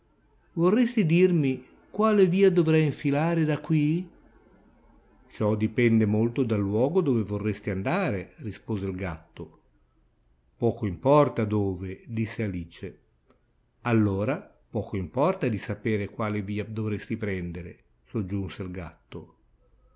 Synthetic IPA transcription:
vorːest̪id̪irmi | kwaːleviːad̪ovɾɛjiɱfilaːɾed̪akːwi | t͡ʃɔd̪ipɛnd̪emolt̪od̪alːwɔːɡod̪oːvevorːest̪iand̪aːɾerispoːzeilɡa̰t̪ːo | pɔːkoimpɔrt̪ad̪oːved̪isːealiːt͡ʃe | alːoːɾa | pɔːkoimpɔrt̪ad̪isapeːɾekwaːleviːad̪ovɾest̪ipɾɛnd̪eɾḛ | sod͡ʒːunselɡa̰t̪ːo

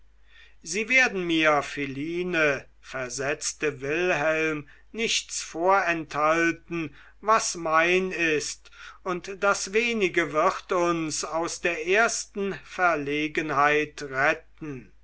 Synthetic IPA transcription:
ziːveːɐdn̩miːɐfeliːnə | fɛɐzɛt͡stəvɪlɦɛlm | nɪçtt͡sfoːɐɛnthaltn̩ | vasmaɪnɪst | ʊntd̥asveːnɪɡəvɪʁtʊnsaʊsd̥eːɐʔeːɐstn̩fɛɐleːɡənhaɪtʁɛt̚n̩

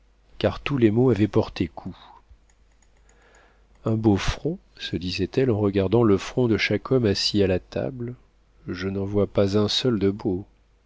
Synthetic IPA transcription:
kaʁt̪ulemoavɛpɔʁt̪ekʰu | ɛ̃bofχɔ̃səd̪izɛt̪ɛlɑ̃ʁəɡaʁd̪ɑ̃ləfχɔ̃d̪əʃakʰɔmasialat̪a̰bl | ʒənɑ̃vwapazɛ̃sœld̪əbo

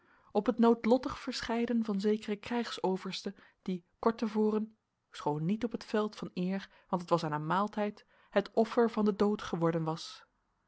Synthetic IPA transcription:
ɔpɦətnowtlɔtəχfəɹsχɛjdənvɑnzejkərəkrɛjχsowvəɹstə | d̥ikɔɹtəvoːrən | sχownːitɔpətfɛlˠtfɑnɪːɹ | ʋɑntətʋɑsaːnamaːlˠtɛjt | ɦətɔfəɹvɑndədowtχəʋɔɹdənʋɑs

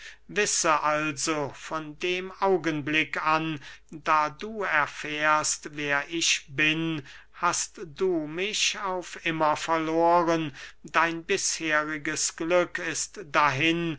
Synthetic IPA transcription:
vɪsəʔalzofɔndeːmʔaʊɡənblɪkandaːduːɛɐfɛːɐstveːɐʔɪʃbɪn | hastd̥uːmɪçaʊfʔɪmɐfɛɐloːʁəndaɪnbɪsheːʁɪɡəsɡ̥lʏkɪstd̥aɦɪn

